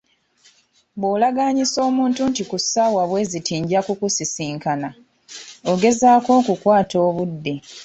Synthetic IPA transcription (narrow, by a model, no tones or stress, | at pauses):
βoːlaɡaɲiso̞ːmuːntuntikusawaβwe̞ːzitiːɲɟakukusisiːŋkana | oɡe̞zaːko̞ːkukwaːto̞ːβudːe